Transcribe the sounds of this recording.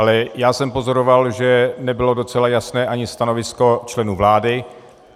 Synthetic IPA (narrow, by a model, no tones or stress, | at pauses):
alɛjaːsɛmpo̞zo̞ɾo̞valʒɛnɛbɪlo̞do̞t͡sɛlajasnɛːʔaɲɪst̪ano̞vɪsko̞t͡ʃlɛnuːvlaːdɪ